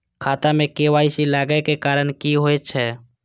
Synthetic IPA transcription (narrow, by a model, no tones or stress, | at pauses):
kʰaːt̪amẽkeːʋaːisilaːɡekekaːɾənkiɦoet͡ʃʰɛː